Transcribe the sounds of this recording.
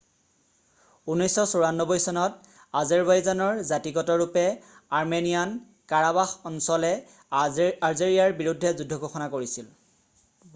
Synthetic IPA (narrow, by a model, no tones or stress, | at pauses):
unɔjsɔsɔɹanːɔbɔjsɔnɔt | azaɹbajzanɔɹzatiɡɔtɔɹupɛ | aɹmenijan | kaɹabaxɔnsɔlɛ | aɹzeɹijaɹbiɹudʱːɛzudʱːɔɡoxɔnakoɹisil